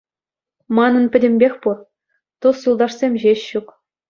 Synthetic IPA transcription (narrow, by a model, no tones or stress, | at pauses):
mɑnɤ̆npʲɘ̆dʲɘ̆mʲbʲexʲpu | t̪usjulˠd̪ɑʂsʲemʲʑeɕɕːuk